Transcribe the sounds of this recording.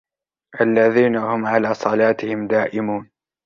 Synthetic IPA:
ʔalːaðiːnahʊmʕalaːsˤɑlaːt̪ɪhɪmd̪aːʔɪmuːn

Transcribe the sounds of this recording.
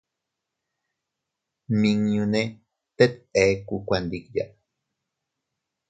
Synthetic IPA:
miŋjũne | t̪et̪ekukʷand̪ikja̰ʔ

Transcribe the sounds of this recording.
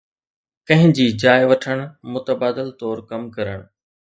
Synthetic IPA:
kɐ̃ɦɪ̃d͡ʑiːd͡ʑaːjʋɐʈʰəɽ̃mʊt̪əbaːd̪ɪlt̪ɔːɾkɐmkɐɾəɽ̃

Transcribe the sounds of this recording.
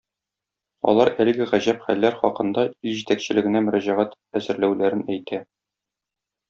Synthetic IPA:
ɒ̰lˠɑɾælɘ̆ɡɘʁæʑæpχælːæɾχɒqɤ̆nd̪ɑilʑit̪ækɕɘ̆lɘ̆ɡɘ̆næmɵ̆ɾæʑæʁæt̪ | æzɘ̆ɾlæwlæɾɘnæjt̪æ

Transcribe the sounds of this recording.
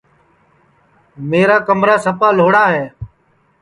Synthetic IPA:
meːɾaːkəmɾaːsəpaːloːɽaːɦeː

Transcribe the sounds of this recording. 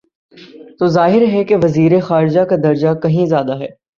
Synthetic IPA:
t̪oːzaːɦɪɾɦɛkeʋɐziːɾexaːɾɪd͡ʒakad̪ɐɾd͡ʒakɐɦĩzjaːd̪aɦɛː

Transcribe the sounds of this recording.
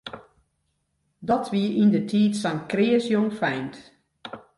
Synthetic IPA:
dɔtʰʋiəindətʰiːtsankrɪːəsjoŋfɛjnt

